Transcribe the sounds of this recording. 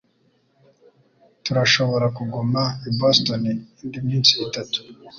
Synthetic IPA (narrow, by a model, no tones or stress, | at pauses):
tuɾaʃo̞βo̞ɾakuɡumaibostoniiːndimɲiːnsiːtatu̥